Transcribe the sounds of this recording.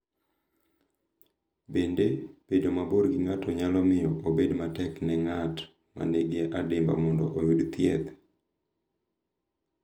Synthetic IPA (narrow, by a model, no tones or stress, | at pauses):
bendeb̥edomaboɾɡiŋatɔɲalɔmɪjɔʔobedmatɛknɛŋat | ma̰neɡeʔadɪmba̰mɔndɔʔojudt̪jɛt̪